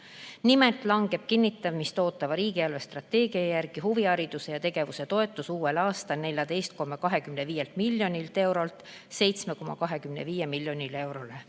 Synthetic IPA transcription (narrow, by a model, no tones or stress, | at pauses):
nimet̪ˑlɑŋɡ̥e̞b̥̚kinːit̪ːˑɑvmist̪o̞ːt̪ːˑɑvɑɾiːɡ̥iɑlvest̪rɑt̪ːe̞ːɡ̥iɑjærɡ̥iɦuviɑɾid̪̥use̞jɑt̪e̞ɡ̥e̞vuse̞t̪o̞e̞t̪ːˑusuːe̞lɑːst̪ɑlne̞lʲjɑd̪e̞jst̪̚ko̞mːɑkɑɦe̞kymne̞viːje̞lt̪milʲjo̞nʲilt̪e̞wɾo̞lt̪ | se̞jt̪sme̞ko̞mːɑkɑɦe̞kymneviːjemilʲːjo̞nʲile̞wɾo̞le̞